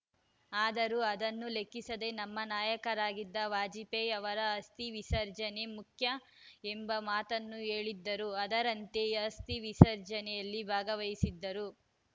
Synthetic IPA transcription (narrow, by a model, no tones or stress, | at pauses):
aːd̪ɐɾuɐd̪ɐnːule̞kːisɐd̪e̞nɐmːɐnaːjɐkɐɾaːɡid̪ːɐʋaːd͡ʒipejɐʋɐɾɐːst̪iʋisɐɾd͡ʒɐnemukʰjɐ | embɐmaːt̪ɐnːue̞ːɭid̪ːɐɾuɐd̪ɐɾɐnt̪eɐst̪iʋisɐɾd͡ʒɐnɛjɐlːibʱaːɡɐʋɐjisid̪ːɐɾu